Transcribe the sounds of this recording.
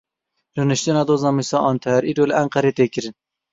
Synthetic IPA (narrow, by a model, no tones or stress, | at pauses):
rɨnɨʃt̪ɨnɑːd̪oːzɑːmisɑːʔɑːnt̪ʰɛɾʔiːɾoːlɪʔæŋqæɾeːt̪eːkɨɾɨn